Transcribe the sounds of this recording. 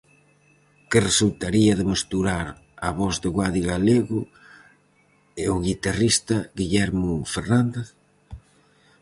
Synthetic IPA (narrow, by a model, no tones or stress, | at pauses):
kɪresult̪aɾiɐðemest̪uɾaɾ | aβɔzðɪɣwaðiɣaleɣʊ | ɪʊɣit̪arist̪ɐɣiʎɛɾmʊfeɾnand̪eθ